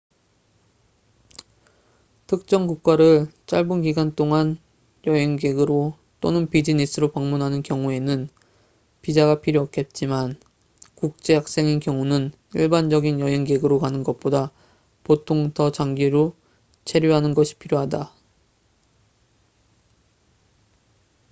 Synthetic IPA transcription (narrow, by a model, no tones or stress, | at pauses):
tʰɯk̚t͡ɕ͈ʌŋkuk̚k͈aɾɯɭt͡ɕ͈aɭbunkiɡant͈oŋan | jʌɦeŋɡeɡɯɾo | t͈onɯnpid͡ʑinisʰɯɾopaŋmunɦanɯnkjʌŋue̞nɯn | pid͡ʑaɡapʰiɾjoʌk͈ʰet̚t͡ɕ͈iman | kuk̚t͡ɕ͈e̞jak̚s͈e̞ŋinkjʌŋunɯn | iɭband͡ʑʌɡinjʌɦe̞ŋɡe̞ɡɯɾokanɯnɡʌt̚p͈oda | potʰoŋtʌt͡ɕaŋɡiɾo | t͡ɕʰe̞ɾjoɦanɯnɡʌɕʰi̥pʰiɾjoɦada